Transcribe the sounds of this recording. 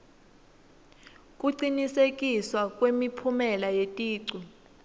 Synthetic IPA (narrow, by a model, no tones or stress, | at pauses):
kʼuǀinisekʼiswakʼwemipʰumɛlajetʼiːǀu